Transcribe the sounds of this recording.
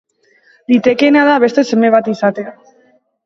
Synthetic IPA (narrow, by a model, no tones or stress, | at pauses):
d̪it̪e̞ke̞naðaβe̞st̪e̞se̞meβ̞at̪isat̪ea